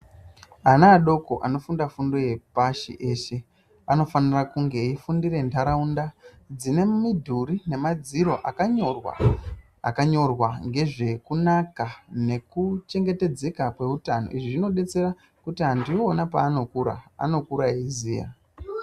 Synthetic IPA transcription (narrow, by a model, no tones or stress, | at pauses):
anaːɗo̞ko̞ʔano̞fundafundo̞je̞paʃḭʔe̞ːʃe̞ | ano̞fanirakuŋɡe̞ifundire̞ntaɾaunda | d͡zine̞midʱuɾine̞mad͡ziɾo̞ʔakaɲorwa̰ | a̰kaɲo̞rwaŋɡe̞ʐe̞kunakane̞kut͡ʃe̞ŋɡe̞te̞d͡ze̞kakwe̞utano̞̰iʐiʐino̞ɗe̞t͡se̞ɾa | kutiɦandioːnapaːno̞kuɾa̰a̰no̞kuɾaiziːja̰